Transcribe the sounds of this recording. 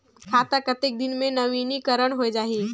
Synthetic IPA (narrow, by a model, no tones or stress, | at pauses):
kʰaːt̪akət̪ek̚d̪ɪnmẽnəʋinikəɾəɳɦoed͡ʒaːɦi